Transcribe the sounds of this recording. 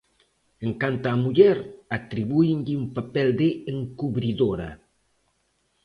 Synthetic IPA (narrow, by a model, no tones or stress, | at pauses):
eŋkant̪aːmuʎɛɾat̪ɾiβuiɲʎɪumpapɛld̪eɪeŋkuβɾiðoɾa̰